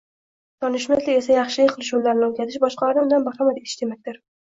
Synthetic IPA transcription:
d̪̥ɒnɪʃmat̪lɪe̞sajɑχʃɪlɪkʲqʰɨlˠɪʃunlaɾnɪokʲʰazʰɪʃbɒʃqʰɑlaɾnɪʊnd̪anbaχamad̪eɪ̥ʃd̪̥e̞mak̚ʲt̪ɪɾ

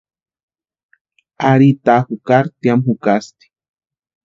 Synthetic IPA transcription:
aɾit̪axukaɾt̪jamxukast̪i̥

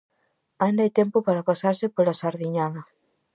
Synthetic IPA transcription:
aĩnd̪ajt̪empopaɾapasaɾsɪpolasaɾðiɲaðɐ

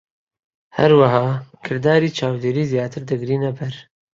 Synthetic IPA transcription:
hɐ̰ɾwaɦɑːkʰɨɾd̪aːɾiːt͡ʃʰaːwd̪eːɾiːzijaːt̪ʰɨɾd̪ɨɡɾiːnɐbɛɾ

